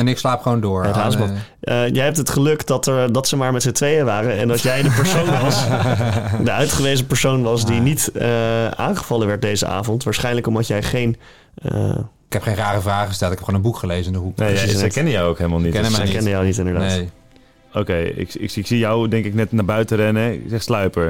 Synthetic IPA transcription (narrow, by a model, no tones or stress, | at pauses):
ɛnɪkslaːpχəʋowndʊːɹɛtɦaːsmɑn | əjɛjɦɛp̚tɦətχəlɵkdɑtəɹdɑtsəmaːɹmɛtsətʋejəʋaːrəɛ̰ndɑtjɛjdəpɛɹsownʋɑs | dəœɥtχəʋejzəpɛɹsownʋɑsdinitəaːnχəv̥ɑləʋɛɹt̚dejzə̰ʔa̰ːvɔntʋaːɹsχɛjnləkɔmɑtjɛjχejn | ə | ɪkɛpχejnraːrəvraːχəstɛlˠtɪkɛpχoonənbukχəlejzəɪndəɦukneɛkɛndəjɔwowkɦeləmalˠnitɛkɛndəjɔwnitɪndəɹdaː | owkejɪ̰kɪ̰kɪksijɔwdɛŋkɪknɛtnaːbœɥtəɾɛnəɛɪ̰ksɛχslœɥpəɹ